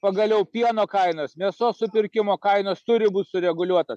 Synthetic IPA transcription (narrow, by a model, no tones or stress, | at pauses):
pɐɡɐlʲɛʊpʲiɛnoːkɐɪnoːsmʲiɛsoːsʊpʲɪɾʲkʲɪmoːkɐɪnoːst̪ʊɾʲɪbuːt̪ʲsʊɾʲɛɡʊlʲuɔt̪os